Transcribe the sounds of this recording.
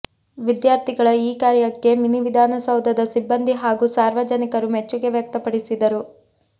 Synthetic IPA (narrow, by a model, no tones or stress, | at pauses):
ʋid̪jaːɾt̪ʰiɡɐɭɐiːkaːɾjɐkːe̞miniʋid̪ʱaːnɐsɐwd̪ʱɐd̪ɐsibːɐnd̪ʱiɦaːɡusaːɾʋɐd͡ʒɐnikɐɾumɛt͡ʃːuɡe̞ʋjɐk̚t̪ɐpɐɽisid̪ɐɾu